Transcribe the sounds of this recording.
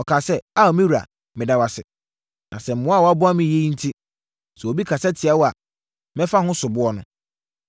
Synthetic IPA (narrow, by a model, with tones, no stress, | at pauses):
ɔ˨kʰaː˨sɛ˦a˦˨ɔ˨mĩ˦wu˨ɾa̰˨ | mɪ̃˨da˨wa˨sɪ̰˨ | nʔã˨sɛ˨m̩˨mʊ̃˦a˦˨wa˦bʊ˦a˦mɪ̃˨je˦ĩ˦n̩˦tʰi˦ | sɛ˨o˨bi˦kʰa˨sɛ˦tʰɪ˨a˦wɔ˦a˨ | mɛ̃˦fa˦hʊ̃˦sʊ˨bʊ˦ɔ˦nʊ̃˦